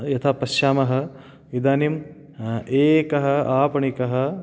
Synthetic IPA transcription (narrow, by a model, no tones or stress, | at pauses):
jɐt̪ʰapɐʃjaːmɐɦɐ̆ | ʋid̪aːnim | eːkɐɦɐ̆aːpɐɳikɐɦɐ̆